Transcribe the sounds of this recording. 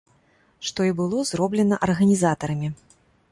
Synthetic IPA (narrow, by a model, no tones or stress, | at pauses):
ʂt̪ɔibɨlˠɔzɾɔblʲɛnɐʔɐrɣɐnʲizat̪ɐɾɐmʲi